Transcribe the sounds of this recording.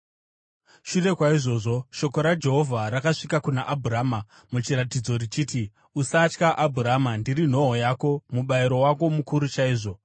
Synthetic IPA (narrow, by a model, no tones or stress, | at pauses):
ʃure̞kwaiʐo̞ːʐo̞ʃo̞ko̞ɾad͡ʒe̞ɦo̞vʱaɾakaʂikakunaʔabʱuraːma | mut͡ʃiɾatid͡zo̞rit͡ʃiːti | usat͡ʃkaʔabʱuramandirin̤o̞ɦojako̞muɓaiɾo̞wako̞mukuɾut͡ʃaiːʐo̞